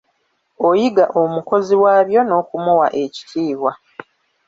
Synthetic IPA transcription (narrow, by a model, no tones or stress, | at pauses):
o̞jiɡaʔomuko̞ziwaːβjo̞no̞ːkumuwa̰ʔe̞ci̥tʰiːwa